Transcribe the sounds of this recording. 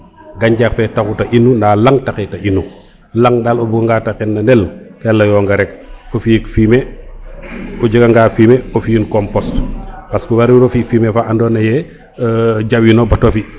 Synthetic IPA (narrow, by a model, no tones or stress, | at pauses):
ɡaɲɟakfɛtakutɐʔinːundaːlaŋtakitɐinːu | laŋdaːlobuɡaŋɡatakɛnːɐndɛlkɛlːɐjɔːŋɡɐɾɛk̚ofikfime | ɔɟiɡaŋɡaːfimeofiinkɔmpɔstpaskuwaɾiɾofifiːmefaʔandɔːnɐjɛ | ɟawinobatofi